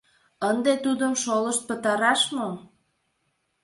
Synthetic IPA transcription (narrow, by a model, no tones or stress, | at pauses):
ənd̪et̪ud̪əmʃoləʃt̪̚pət̪ɑɾɑʃmo